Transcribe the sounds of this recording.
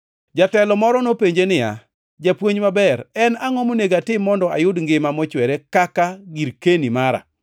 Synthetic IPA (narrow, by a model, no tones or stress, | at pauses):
d͡ʒatɛlɔmɔɾɔnopeɲd͡ʒenɪja̰ | d͡ʒapwoɲmabɛɾɛnaŋɔmoneɡatɪmːɔndɔa̰jʊdŋɡɪmamɔt͡ʃwɛɾekakaɡiɾkenimaɾa̰